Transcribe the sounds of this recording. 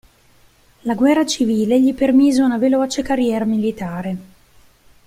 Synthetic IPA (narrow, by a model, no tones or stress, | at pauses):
laɡwɛrːat͡ʃiviːleʎipermiːzeunavelɔːt͡ʃekarjɛːɾamilit̪aːɾe